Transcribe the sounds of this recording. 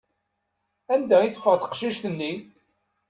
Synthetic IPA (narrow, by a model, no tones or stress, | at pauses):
ænd̪æiθəfəʁθə̥qʃiʃθənːi